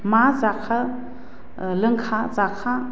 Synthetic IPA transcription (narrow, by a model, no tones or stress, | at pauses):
mazakʰa | ləŋkʰazakʰa